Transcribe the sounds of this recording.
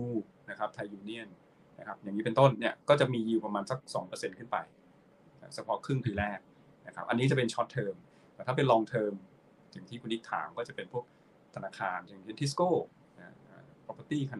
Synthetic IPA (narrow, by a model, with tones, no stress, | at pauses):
uː˧na˦˥kʰa˦˥p̚t̪ʰa˧jːuː˧ni˥˩ən | na˦˥kʰa˦˥p̚ja˨˩ŋːiː˦˥pe˧nt̪o˥˩nni˥˩ɐkɔː˥˩t͡ɕa˨˩miː˧jiː˧wpa˧maː˧nsa˧˦˩k̚sɔː˩˦ŋpɤː˧se˧nkʰɯ˥˩npa̰˧j | kʰa˦˥t͡ɕʰa˧pʰɔ˦˥kʰɾɯ˥˩ŋpʰiː˧lɛː˥˩k̚ | na˦˥kʰa˦˥p̚ʔa˧nːiː˦˥t͡ɕa˨˩pe˧nt͡ɕʰɔ˦˥t̪ʰːɤː˧m | t̪ɛː˧˩t̪ʰaː˥˩pe˧lɔː˧ŋt̪ʰɤː˧m | t͡ɕi˨˩ŋt̪ʰiː˥˩kʰu˧nʔi˦˥k̚t̪ʰa̰ː˩˦ŋkɔː˥˩t͡ɕa˨˩pe˧npʰu˥˩ək̚ | t̪ʰa˧naː˧kʰaː˧nt͡ɕʰa˨˩ŋʰe˧˩nt̪ʰi˦˥skoː˥˩ | na˦ʔaː˧˩po˨˧˩kːa˧t̪iː˥˩kʰa˧n